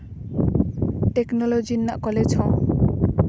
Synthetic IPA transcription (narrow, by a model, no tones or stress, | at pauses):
ʈeknɔlod͡ʒinːaʔkɔlet͡ʃʰɔ̃